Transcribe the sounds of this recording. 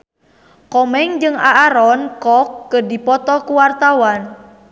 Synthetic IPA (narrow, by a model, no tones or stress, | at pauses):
kɔmɛŋd͡ʒɨŋaʔːɾɔnkɔkːədipɔt̪ɔkuwart̪awan